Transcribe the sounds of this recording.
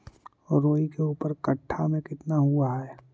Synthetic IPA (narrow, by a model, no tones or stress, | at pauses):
ɔːɾːoːikeuːpəɾkɐʈʰːamẽkɪt̪naɦuaɦɛː